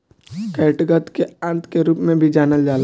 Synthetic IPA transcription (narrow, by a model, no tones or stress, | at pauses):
kɛːʈɡət̪keãːnt̪keɾuːpmẽbʱid͡ʒaːnəld͡ʒaːl